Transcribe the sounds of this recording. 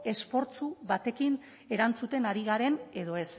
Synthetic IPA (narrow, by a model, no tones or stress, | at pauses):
e̞spo̞ɾt͡suβat̪e̞kin | e̞ɾant͡sut̪e̞naɾiɣaɾe̞ne̞ðo̞e̞s